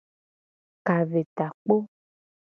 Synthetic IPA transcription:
ka˨ve˨t̪a˨k͡po˦

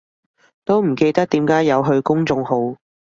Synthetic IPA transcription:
t̪o˥wm̩˨˩ke˧jt̪ɐ˥k̚t̪iː˨˥mkaː˨˥jɐ˨˧wɦɵ˧ɥkʊ˥ŋt͡sʊ˧ŋɦo˨˥w

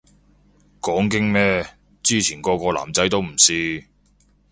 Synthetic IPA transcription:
kɔː˨˥ŋkɪ˥ŋmɛː˥ | t͡siː˥t͡sʰiː˨˩nkɔː˧kɔː˧la̰ː˨˩mt͡sɐ˨˥jt̪o˥wm̩˨˩siː˥

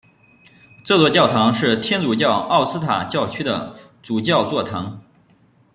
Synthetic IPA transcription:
t͡sɤ˥˧t͡swɔ˥˧t͡ɕjɑ˥˩ʊt̪ʰɑ˧˥ŋʂɻ̩˥˩t̪ʰjɛ˥nt͡su˨˩t͡ɕjɑ˥˧ʊɑ˥˩ʊsɹ̩˥t̪ʰa̰˨˩t͡ɕjɑ˥˩ʊt͡ɕʰy˥d̪ə̰˨ | t͡su˨˩t͡ɕjɑ˥˧ʊt͡swɔ˥˩t̪ʰɑ˧˥ŋ

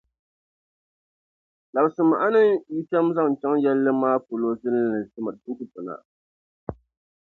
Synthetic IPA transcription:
la˨bsɨ˨ma˨ʔa˦nɨ˦ŋji˦ʃɛ˦m˦za˦ŋ˨t͡ʃɛ˦ŋjɛ˦lːɨ˦maː˦po˨lo˦zɨ˦n˦nɨ˨tɨ˦ma˨tɨ˦kɨ˦tʊ˨na̰˨

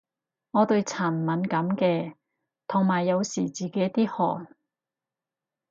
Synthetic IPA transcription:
ŋɔː˨˧t̪ɵ˧ɥt͡sʰaː˨˩n˨mɐ˨˥nkɐ˨˥mkɛː˧ | t̪ʰʊ˨˩ŋmaː˨˩jːɐ˨˧wsiː˨˩t͡siː˨ke˨˥jt̪iː˥hɔ̰ː˨˩n

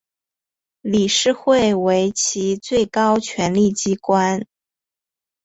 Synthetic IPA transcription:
li˨˩ʂɻ̩˥˧xwe˥˩ɪwe˧˥ɪt͡ɕʰi˧˥t͡swe˥˩ɪkɑ˥ʊt͡ɕʰɥɛ˧˥nli˥˩t͡ɕi˥kwa˥n

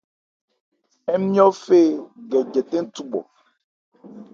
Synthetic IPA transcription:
ɛ˦mĩ˦ɔ̃˦fe˦ɡɛ˨d͡ʒɛ˨t̪ẽ˦t̪u˦ɡ͡bɔ̰˨

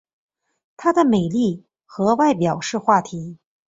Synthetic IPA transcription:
t̪ʰa˥d̪ə˨me˨˩ɪli˥˩ | xɤ˧˥wa˥˩ɪpjɑ˨˩ʊʂɻ̩˥˧xwa˥˩t̪ʰi˧˥

